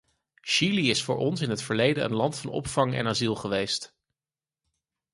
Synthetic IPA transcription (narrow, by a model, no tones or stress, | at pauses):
ʃiliɪsfʊːɹʔɔnsɪnɦətfəɹlejdənə̰nlɑntfɑnɔ̰pfɑŋɛ̰nazilˠχəʋejst